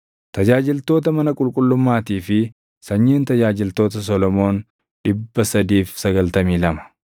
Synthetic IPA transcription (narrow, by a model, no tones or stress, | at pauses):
t̪ɐd͡ʒaːd͡ʒɪlt̪o̞ːt̪̬ɐmɐnɐkʼʊlkʼʊlːʊmːaːt̪iːfɪ | sɐɲːiːnt̪ɐd͡ʒaːd͡ʒɪlt̪oːt̪ɐs̬ɔlɔmo̞ːn | ᶑɪbːɐsɐd̪iːfsɐɡɐlt̪ɐmiːlɐmɐ̥